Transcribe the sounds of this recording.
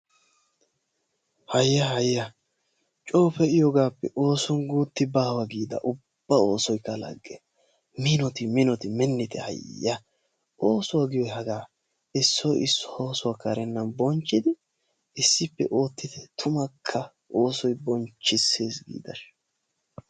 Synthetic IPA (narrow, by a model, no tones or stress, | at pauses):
hɐjːɐhɐjːɐ | t͡ʃʼo̞ːpɛɪjoɡaːpːɛ̰ʔo̞ːsɔnɡuːt̪ːɪbaːwɐɡiːd̪ɐ̰ʔʊb̥ːɐo̞ːsɔjkːɐlɐ̰ɡːɛ | mɪnɔt̪ɪmɪnɔt̪ɪmɛnːɪt̪ʰɛhɐ̰jːɐ | ʔo̞ːsʊwaɡɪjɔɦɐɡaː | ɪsːɔjɪsːɔ̥oːsʊwakɐɾɛnːɐnbɔnt͡ʃʼːɪd̪ɪ | ɪsːɪpːɛ̰ʔo̞ːt̪ːɪd̪ɛt̪ʰʊmɐkʰːɐ | ʔo̞ːsɔjbɔnt͡ʃːɪse̞ːsɡḭːd̪ɐ̰ʃ